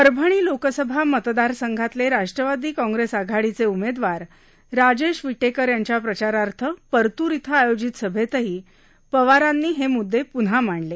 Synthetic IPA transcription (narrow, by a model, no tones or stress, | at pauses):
əɾbʱəɽ̃iːlokəsəbʱamət̪d̪aɾsəŋɡʱat̪leɾaʂʈɾəʋad̪iːkɔ̃ŋɡɾesaɡʱaɽit͡seumed̪ʋaɾː | ad͡ʑeʂʋiʈekəɾjaɲt͡ɕjapɾət͡ɕaɾaɾt̪ʰəpəɾt̪uɾit̪ʰaajod͡ʑit̪səbʱet̪əɦiː | pəʋaɾanːiːɦemud̪ʱːepunɦam̤aɳle